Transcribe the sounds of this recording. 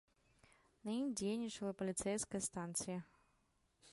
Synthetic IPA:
nɐimd͡zʲejnʲit͡ʂɐlˠɐpɐlʲit̪sɛjskɐjɐst̪ant̪sɨjɐ

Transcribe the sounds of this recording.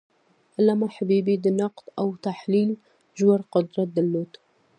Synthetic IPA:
ʔalːamaħabiːbid̪ənɑqt̪ˤʔawt̪aħliːl | ʒʊwaɾˤqʊd̪ɾˤɑd̪ɪlːuːt̪

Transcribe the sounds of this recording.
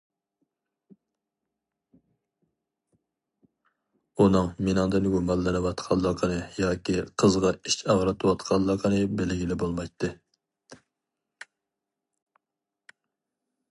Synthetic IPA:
unɨŋmɪnɨŋd̪ɨnɡumɑlˠːɨnɨwɑt̪qʰɑlˠːɑqʰənɨjɑːkʲiqʰəzʁɑit͡ʃɑʁɾɨt̪ʰɨwɑt̪qʰɑlˠːɑqʰənɨbɪlɪɡʲilɪbolˠmɑjt̪ʰːɨ

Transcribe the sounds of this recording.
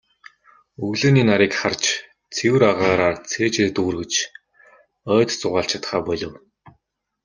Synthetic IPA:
ɵɣɮeːniːnaɾiːkχart͡ɕ | t͡sʰewɘ̆ɾaʁaːɾaːrt͡sʰeːt͡ɕeːt̪uːrɣɘ̆t͡ɕ | œːt̪t͡sʊʁaːɬt͡ɕʰḁt̪χaːpɔɮɞ̆w

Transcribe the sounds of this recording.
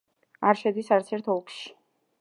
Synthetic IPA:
aɾʃɛd̪isaɾt̪sʰɛɾt̪ʰɔlˠkʰʃi̥

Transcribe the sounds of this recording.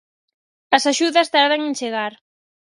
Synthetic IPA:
ɐsaʃuðɐst̪aɾðaŋent͡ʃeɣ̞aɾ

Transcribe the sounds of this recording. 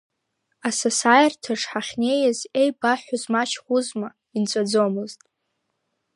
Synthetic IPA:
asasajrtʰaʂħaχʲne̞jazejbaħʷᶣʊzmaʃχʷuzma | int͡sʷʼad͡zomɨztʼ

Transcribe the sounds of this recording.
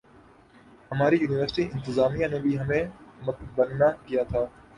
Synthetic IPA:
hɐmaːɾijuːnɪʋəɾsɪʈiʔɪ̃nt̪ɪzaːmijãːnũːbʱiɦɐmẽːməbənːakijaːt̪ʰaː

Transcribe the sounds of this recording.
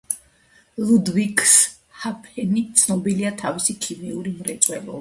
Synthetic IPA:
lˠud̪vikʰs | hapʰɛnit̪sʰnɔbiliat̪ʰavisikʰimiuɾimɾɛt̪sʼwɛlɔ̰

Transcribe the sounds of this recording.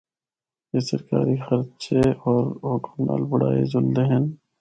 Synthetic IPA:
jesɐɾkaːɾixɐɾt̪t͡ʃʰeɔːɾoːkna̰ːlbʊɽaːḛd͡ʒʊld̪eɦɛn

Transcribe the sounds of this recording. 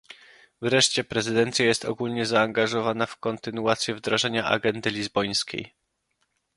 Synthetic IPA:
vɾɛʂt͡ɕɛpɾɛzɘd̪ɛnt̪sʲjajɛst̪ɔ̰ɡulɲɛzaːŋɡaʐɔvanafkɔnt̪ɘnuat̪sʲjɛvd̪ɾaʐɛɲaʔa̰ɡɛnd̪ɘlʲizbɔj̃skʲḛj

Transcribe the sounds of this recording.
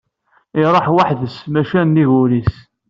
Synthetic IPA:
iɾˤɑħwaħðəsmæʃænːiʝulis

